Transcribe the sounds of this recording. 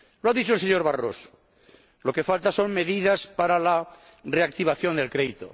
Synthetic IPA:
loaðit͡ʃolseɲoɾβaro̰so̥ | lo̞ke̞falt̪aso̞ŋme̞ðiðaspaɾala | reak̚t̪iβ̞aθjo̞nd̪e̞lkɾeðit̪o̰

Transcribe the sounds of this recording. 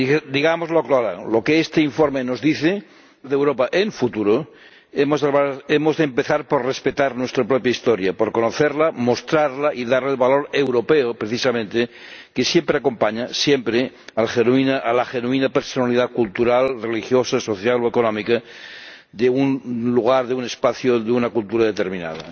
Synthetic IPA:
d̪iɣamozlokloɾa̰ŋlokeest̪eiɱfoɾmenozðiθe | ðewɾopaʔeɱfut̪uɾo | emozðelβemozðempeθaɾpoɾrespet̪aɾnwest̪ɾapɾopjaist̪oɾjapoɾkonoθeɾlamost̪ɾaɾlaʔiðaɾlelβalo̞ɾe̞wɾo̞peopɾeθisamẽnt̪ekesjempɾeako̞mpaɲasjempɾe | alxenwinaʔalaxenuinapeɾsonaliðakult̪uɾalrelixjosaso̞θjalo̞ekonomika | ðeunluɣ̞aɾðeune̞spaθjoðeunakult̪uɾaðe̞t̪eɾmĩna̰ð̞a̰

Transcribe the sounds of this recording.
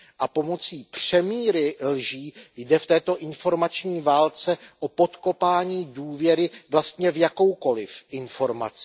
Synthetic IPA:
ʔapo̞mo̞t͡siːpr̝̥ɛmiːɾɪlʒiːjdɛft̪ɛːt̪o̞ʔɪnfo̞ɾmat͡ʃɲiːvaːlt͡sɛʔopo̞t̪ko̞paːɲiːduːvjɛɾɪvlast̪ɲɛvjako̞wko̞lɪfʔɪnfo̞ɾma̰t͡sɪ̥

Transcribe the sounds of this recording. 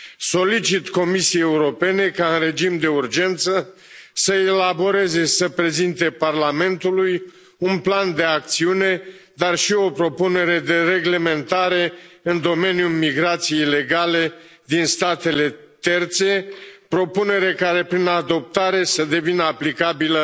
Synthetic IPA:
so̞lit͡ʃit̪ko̞misieje̞uɾo̞pe̞ne̞kaɨnre̞d͡ʒimd̪e̞urd͡ʒe̞nt̪sə | səelabo̞ɾe̞ze̞səpɾe̞zint̪e̞parlame̞nt̪uluj | unpland̪e̞ak̚t̪siune̞ | d̪arʃio̞pɾo̞pune̞ɾe̞d̪e̞ɾe̞ɡle̞me̞nt̪aɾe̞ɨnd̪o̞me̞njumiɡɾat̪sije̞ijle̞ɡale̞d̪inst̪at̪e̞le̞ | t̪e̞rt̪se̞pɾo̞pune̞ɾe̞kaɾe̞pɾinad̪o̞p̚t̪aɾe̞səd̪e̞vinəaplikabilə

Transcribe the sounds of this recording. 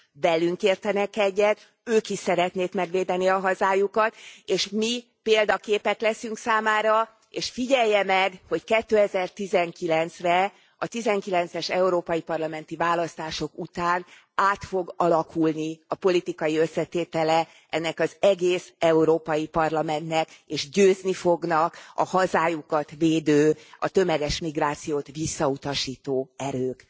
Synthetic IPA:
vɛlyŋkeːrt̪ɛnɛkɛɟːɛt̪ | øːkiʃsɛɾɛt̪neːk̪mɛɡʋeːd̪ɛniɒɦɒzaːjukɒt̪eːʃmi | peːld̪ɒkeːpɛt̪lɛsyŋksaːmaːɾɒ | eːʃfiɟɛjːɛmɛɡho̞ckɛt̪ːøːɛzɛrt̪izɛŋkilɛnt̪srɛ | ɒt̪izɛŋkilɛnt̪sɛʃɛuɾoːpɒjipɒrlɒmɛnt̪ivaːlɒst̪aːʃo̞kut̪aːn | aːt̪fo̞ɡɒlɒkʰulniɒpo̞lit̪ikɒjiø̞sːɛt̪eːt̪ɛlɛ | ʔɛnːɛkɒzɛɡeːsɛuɾoːpɒjipɒrlɒmɛnt̪nɛkeːʒɟøːznifo̞ɡnɒkɒ̰hɒzaːjukɒt̪veːd̪øːɒt̪ø̞mɛɡɛʃmiɡraːt̪sijoːt̪ʋisːɒut̪ɒʃiːt̪oːɛɾøːk

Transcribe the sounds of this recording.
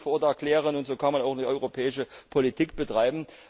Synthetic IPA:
foɐdɛɐklɛːʁ̞ənʊntz̥oːkʰanmanaʊxdiːʔɔʏʁopʰɛːɪʃəpʰolitʰiːkb̥ətʁ̥aɪbm̩

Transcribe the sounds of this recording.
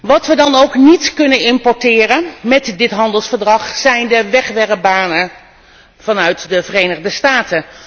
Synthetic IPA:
ʋɑtʋədɑnowknitkɵnənɪmpɔɹtɪːrənmɛtdɪtɦɑndəlˠsfəɹdrɑχsɛjndəʋɛχʋɛrəbaːnə | v̥ɑnœɥtdəvərejnəχdəstaːtə

